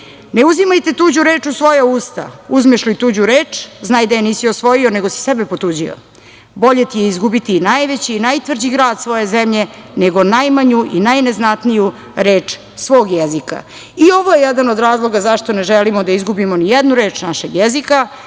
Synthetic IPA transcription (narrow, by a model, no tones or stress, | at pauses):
ne̞uzimajt̪e̞t̪uːd͡ʑuɾeːt͡ʂusʋo̞jauːst̪a̰uzmeʃlit̪uːd͡ʑuɾeːt͡ʂznaːjd̪ajeniːsiosʋo̞jio̞ne̞ɡosi̥sɛbepot̪uːd͡ʑio̰ | bo̞ʎet̪ijeizɡubit̪iːnajʋe̞t͡ɕiːnajt̪ʋr̩d͡ʑiɡɾaːd̪sʋo̞je̞zemʎe̞neɡo̞najmaɲuʔinajne̞znat̪niju | ɾeːt͡ʂ | sʋo̞ːɡjezika̰ | io̞ʋoje̞jɛd̪anod̪ɾaːzlˠo̞ɡazaʃt̪oneʒelimod̪aizɡubimonijɛd̪nuɾe̞ːt͡ʂnaʃeɡjezika